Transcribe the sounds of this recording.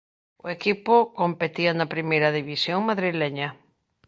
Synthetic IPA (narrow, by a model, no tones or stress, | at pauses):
ʊ̰ekipʊkompet̪iɐnɐpɾimejɾɐðiβisjoŋmaðɾileɲɐ